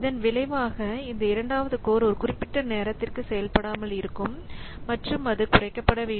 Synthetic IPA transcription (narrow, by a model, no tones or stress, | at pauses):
ɪðɐnʋɪlɐɪʋaːɣɐɪnd̪ɐɪɾɐɳɖaːʋɐðɯkoːɾɔɾɯkʊrɪpːɪʈːɐneːɾɐt̪ːɪrkɯsɛjɐlpɐɽaːmɐlɪɾɯkːɯmː | ɐʈrɯmɐðɯkʊrɐɪkːɐpːɐɽɐʋeː